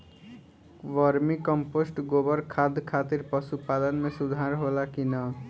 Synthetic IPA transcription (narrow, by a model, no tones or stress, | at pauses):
ʋʌɾmikʌmposʈɡobʌɾkʰad̪ʱkʰat̪iɾpʌsupad̪ʌnmesud̪ʱaɾɦolakinʌ